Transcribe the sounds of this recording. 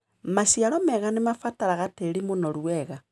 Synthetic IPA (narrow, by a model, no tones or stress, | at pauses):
masiaɾɔmɛɣanemafataɾaɣateɾimonɔɾwɛɣa